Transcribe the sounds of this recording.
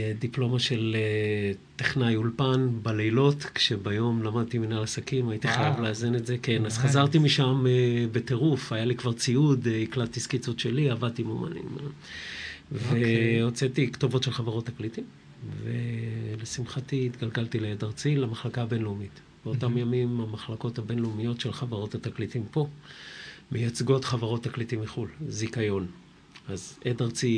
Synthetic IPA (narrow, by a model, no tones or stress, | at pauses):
d̪iplo̞maʃe̞let̪eχnajulpanbalejlo̞tkʃe̞bajo̞mlamad̪̚t̪iminalasakimajit̪iχajavleazinetzeke̞naz̥χazaʁt̪imiʃamebe̞te̞ʁufajalikvaʁt͡siud̪iklat̪ːiskit͡sutʃe̞liavad̚t̪imoma̰nḭm | veot͡setikto̞vo̞tʃelχaveʁo̞tːaklitim | velesimχatiːt̪ɡalɡaltileedaʁt͡silamaχlakaːbe̞nlumit | b̥eotamjamimamaχlako̞thabe̞nlumijo̞tʃelχaveʁo̞thataklitimpo̞ | mejat͡sɡo̞tχavaʁo̞tːaklitimːiχulzikajo̞n | azedaʁt͡si